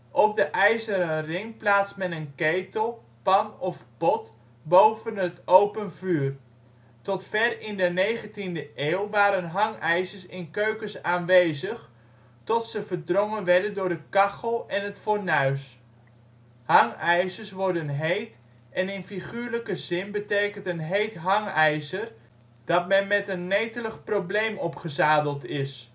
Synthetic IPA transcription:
ʔɔp̚dəʔɛjzəɾənrɪŋplaːtsmɛnənkejtəlˠ | pɑnɔfpɔt | bowvənɦətowpənvyːr | tɔtfɛrɪndənejχəntindəʔeːwʋaːɾənɦɑŋɛjzəɹsɪnkøɥkəsaːnʋejzəχ | tɔtsəvəɹdrɔŋənʋɛɹdəndʊːɹdəkɑχəlˠɛnɦətfoɹnœɥs | hɑŋɛjsəɹsʋɔɹdənɦejt | ɛnɪnfiχyːɹləkəzɪnbətejkəntənɦejtɦɑŋɛjzər | d̥ɑt̚mɛnmɛtənːejtələχprowblejmɔpχəzaːdəlˠtɪs

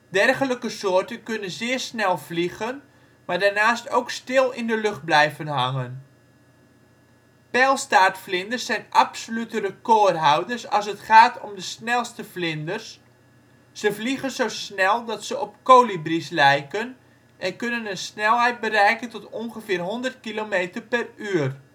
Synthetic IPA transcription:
dɛrχələkəsoːərtənkønənzɪːrsnɛlˠvliɣən | maːdarnaːstowkstɪlˠɪndəlɵχt̚blɛjvənɦaŋən | pɛlˠstaːtflɪndərsːɛjnʔapsolytərəkoːrɦawdərsɑ̰lˠsətχaːtʰɔmdəsnɛlˠstəflɪndərs | səfliɣənzosnɛlˠdɔtsəʔɔpkoːlibrislɛjkən | ʔɛnkønənənsnɛlˠɦɛjt̚bərɛjkəntɔtɔnɣəfɪːrɦɔndərt̚kilomeːtərpɛryər

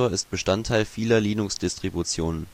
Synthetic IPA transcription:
oːɐɪstb̥əʃtantʰːaɪlfiːlɐliːnʊksd̥ɪstʁ̥ibut͡sjoːnən

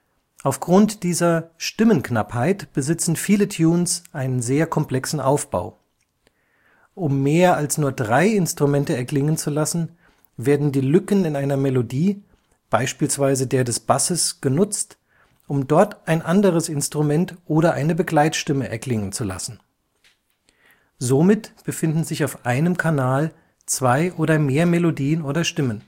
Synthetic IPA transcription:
ʔaʊfɡ̥ʁʊntd̥iːzɐʃtɪmənkna̰phaɪtb̥əzɪt͡sn̩fiːlətʰjuːnsʔaɪnənzeːɐkʰɔmpl̥ɛksn̩ʔaʊfb̥a̰ʊ | ʔʊmːeːɐalsnuːɐdʁaɪɪnstʁ̥umɛntəɛɐklɪŋənt͡sulasn̩ | veːɐdn̩diːlʏkənɪnaɪnɐmɛlodiː | b̥aɪʃpiːlsv̥aɪzədeːɐdɛsb̥asəsɡ̥ənʊt͡st | ʔʊmdɔɐtʔaɪnʔandəʁ̞əsɪnstʁ̥umɛntʔoːɾɐʔa̰ɪnəbəɡlaɪtʃtɪməʔɛɐkl̥ɪŋənt͡sula̰sn̩ | zomɪtb̥əfɪndn̩zɪçaʊfʔaɪnəmkʰanaːl | t͡sv̥aɪʔoːɾɐmeːɐmelodiːənoːɾɐʃtɪmən

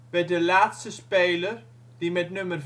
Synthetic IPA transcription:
b̥ɛdəlaːtstəspejlər | d̥imɛtnɵmərv

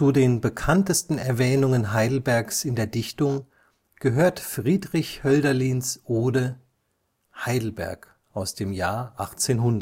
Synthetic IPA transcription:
t͡sudeːnbəkʰantəstn̩ɛɐvɛːnʊŋənɦaɪdl̩bɛɐksɪndeːɐdɪçtʊŋ | ɡ̥əɦøːɐtfʁ̥iːdʁɪçhœldɐliːnsʔoːdə | haɪdl̩bɛ̰ɐk | ʔaʊsd̥eːmjaːɐʔaχt͡seːnɦʊndɐ

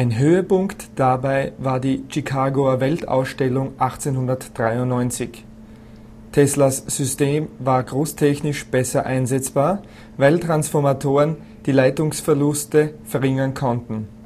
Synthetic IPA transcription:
ʔaɪnɦøːəpʊŋktd̥abaɪvaːɐdiːʃikʰaːɡoɐvɛlta̰ʊsʃtɛlʊŋʔaχt͡senhʊndɐtd̥ʁaɪʊnnːɔʏnt͡sɪç | tʰɛslasz̥ʏsteːmvaːɐɡʁoːstʰɛçnɪʃb̥ɛsɐʔa̰ɪnzɛt͡sb̥aːɐ | vaɪltʁ̥ansfɔɐmatʰoːʁən | d̥iːlaɪtʊŋsfɛɐlʊstəfɛɐʁɪŋɐnkʰɔntn̩

